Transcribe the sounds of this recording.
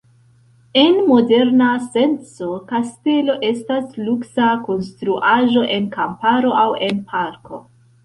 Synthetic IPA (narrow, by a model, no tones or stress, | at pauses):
e̞nmo̞de̞ɾnase̞nt͡so̞kaste̞lo̞ʔe̞stasluksako̞nstɾuʔaʒo̞ʔe̞nkampaɾo̞ʔawe̞npʰaɾko̞̰